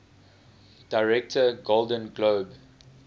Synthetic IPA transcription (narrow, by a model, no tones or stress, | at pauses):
d̥aɪɹɛk̚tʰəɡoldə̃nɡloːb